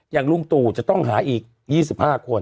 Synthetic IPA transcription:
jaː˨˩ŋlu˧mt̪uː˨˩t͡ɕa˨˩t̪ɔ˥˩ŋɦaː˩˦ʔiː˨˩k̚ | jiː˥˩s̬i˨˩p̚haː˥˩kʰo˧n

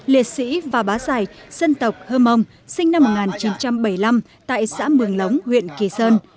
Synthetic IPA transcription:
li˨˩ət̚sḭ˧˥vaː˨˩ɓaː˨˦zaː˨˩jsə˧nt̪ə˨˩wk͡p̚həː˧mə˧wŋ͡m | sï˧ŋna˧mːo˨˩t̚ŋaː˨˩nt͡ɕi˨˦nt͡ɕa˧mɓə˧˩jla˧m | t̪a̰ː˧˨jsa̰ː˧˥mɨ˨˩əŋlə˨˦wŋ͡mhwḭ˧˨ənki˨˧˩səː˧n

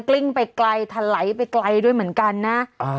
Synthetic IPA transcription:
kli˥˩ŋpa˧jkla˧jt̪ʰa˧la˩˦jpa˧jkla˧jdu˥˩əjmɯ˩˦ənka˧nːa˦˥ʔː

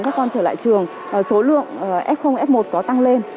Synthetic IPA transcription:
ŋkaː˦˥k̚ːɔ˧nt͡ɕəː˧˩la̰ː˧˨jt͡ɕɨ˨˩əŋ˨˩ | so˨˦lɨ̰˧˨əŋ˨˩ʔɛ˦˥p̚xə˧wŋ͡mʔɛ˦˥p̚mo˨˩t̚kɔ˨˦t̪a˧ŋle˧n

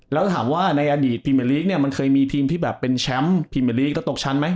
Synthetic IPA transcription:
lɛ˦˥wt̪ʰaː˩˦mwaː˥˩na˧jʔaː˧diː˨˩t̪ʰːiː˧me˧liː˦˥k̚ni˥˩ɐma˧nkʰɤː˧jmiː˧t̪ʰiː˧mt̪ʰiː˥˩bɛː˨˩pːe˧nt͡ɕʰɛ˦˥mt̪ʰiː˧me˧˩li˦˥klɛ˦˥wt̪o˨˩k̚t͡ɕʰa˦˥nma˦˥j

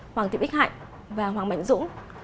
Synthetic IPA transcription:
hwaː˨˩t̪ḭ˨ɓk̚ha̰˧˨jŋ | vaː˨˩ɦwaː˨˩mə̰˧˨jŋ̟zʊ̰˧˥ŋ

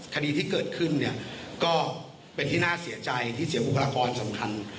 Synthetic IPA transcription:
kʰa˧diː˧t̪ʰiː˥˩kɤː˨˩t̪̚kʰɯ˥˩nːi˥˩ɐkɔː˥˩ | pe˧nt̪ʰiː˥˩naː˥˩si˩˦ɐt͡ɕa˧jt̪ʰiː˥˩si˩˦wu˨˩kʰa˧laː˧kɔː˧nsa˩˦mkʰa˧n

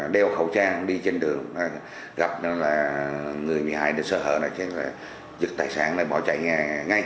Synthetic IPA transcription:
ɗɛ˧wxə˧˩wt͡ɕaː˧ŋɗi˧t͡ɕe˧nɗɨ˨˩əŋna˨˧˩ | ɣa˨˩p̚nɔ˨˦laː˨˩ŋɨ˨˩əjmi˨˩ɦaː˧˩jɗɨ˨˧˩səː˧˩ɦə̰ː˧˨nə˧˩t͡ɕe˨˦˥laː˨˩ | zɨ˨˩k̚t̪aː˨˩jsaː˧˩naː˧˩jɓɔ˧˩t͡ɕa̰˧˨jɲaː˨˩ŋa˧j

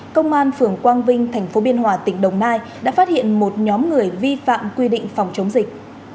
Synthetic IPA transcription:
kə˧wŋ͡mʔaː˧nfɨ˨˩əŋkwaː˧nvï˧ŋ̟t̪ʰa˨˩jŋ̟fo˨˦ɓi˧ənɦwaː˨˩t̪ï˧˩ŋ̟ɗə˨˩wŋ͡mnaː˧j | ɗa̰ː˧˥faː˦˥t̚hḭ˧˨ənmo˨˩t̚ɲɔ˨˦mŋɨ˨˩əjvi˧fa̰ː˧˨mkwi˧ɗḭ̈˧˨ŋ̟fa˨˩wŋ͡mt͡ɕə˨˦wŋ͡mzi˨˩k̚

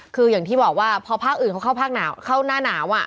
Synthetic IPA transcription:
kʰɯː˧jaː˨˩ŋt̪iː˥˩bɔː˨˩k̚waː˥˩pʰɔː˧pʰaː˥˩k̚ʔɯː˨˩nʰka˧˦˥kʰa˥˩wpʰaː˥˩k̚naː˩˦wkʰa˥˩wnaː˥˩naː˩˦wʔa˨˩

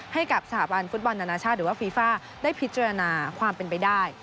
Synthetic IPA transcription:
ha˥˩jka˨˩p̚sa˧tʰaː˩˦ba˧nfu˦˥t̪̚bɔ˧nːa˧naː˧t͡ɕʰaː˥˩t̪̚ɾɯː˩˦waː˥˩fiː˧faː˥˩ | daː˥˩jpʰi˦˥t̪̚t͡ɕaː˧ɾa˧naː˧kʰwaː˧mpe˧np̬a˧jdaː˥˩j

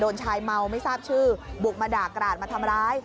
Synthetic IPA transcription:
doː˧nt͡ɕʰaː˧jma˧wma˥˩jsaː˥˩p̚t͡ɕʰɯː˥˩bu˨˩k̚maː˧daː˨˩kːɾaː˨˩t̪̚maː˧t̪ʰa˧mɾaː˦˥j

